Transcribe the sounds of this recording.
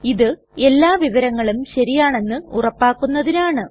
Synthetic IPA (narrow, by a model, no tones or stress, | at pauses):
iðɨ | e̞lːaːʋiʋɐɾɐŋːɐɭumɕɐɾijaːɳe̞nːɨurɐpːaːkːunːɐðinaːɳɨ